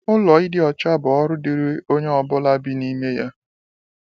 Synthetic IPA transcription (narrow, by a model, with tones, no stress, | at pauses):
ʊ˦lɔ˨i˦dɪ˦ɔ˨t͡ʃa˦bʊ˨ɔ˦ɾʊ˦dɪ˨ɾɪ˦o˦ɲe˦ɔ˨bʊ˦la˦bi˦ni˦me˦ja˦